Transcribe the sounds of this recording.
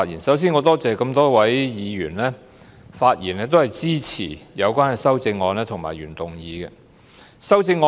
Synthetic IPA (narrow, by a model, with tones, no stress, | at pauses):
t̚jḭː˨˩nsɐ˨˥ws̬iː˥nŋɔː˨˧t̪ɔː˥t͡sɛː˨kɐ˧mt̪ɔː˥wɐ˨˥jjiː˨˧jyː˨˩nlɛː˥ | faː˧t̚jḭː˨˩nɛː˥t̪̬o˥whɐ˨jt͡siː˥t͡sʰiː˨˩jɐ˨˧wkʷaː˥nkɛ˨jsɐ˥wt͡sɪ˧ŋːɔː˨˧nɛː˥t̪ʰʊ˨ŋma̰ː˨˩jɥy̰ː˨˩nt̪ʊ˨˩ŋjiː˨˧kɛ˧ | sɐ˥wt͡sɪ˧ŋːɔː˧